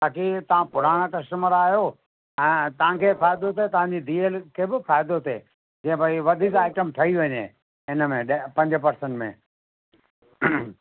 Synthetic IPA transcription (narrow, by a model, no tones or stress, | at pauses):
baːkit̪ɐʋ̤ãpʊɾ̤aːɽ̃kɐsʈəməɾaːɦijoː | ɛ̃ːt̪ɐʋ̤ãkʰeːfaːɪd̪ot̪ʰet̪ɐʋ̤ãɲd͡ʑid̪iːelkʰeːbɪfaːɪd̪ot̪ʰḛː | d͡ʑɛ̃ːɪ̃bʱɐiʋɐd̪ʱiːkaːɪʈəmʈʰɐiʋɐɲḛː | ɪnəmẽɗpɐ̃ɲd͡ʑə̆pɐɾsə̃ɳʈmḛ̃